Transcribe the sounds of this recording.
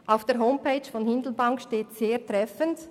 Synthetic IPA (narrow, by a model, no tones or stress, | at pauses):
ʔaʊfd̥eːɦoʊmpeɪt͡ʃfɔnhɪndl̩baŋkʃteːtseːtʁ̥ɛfənt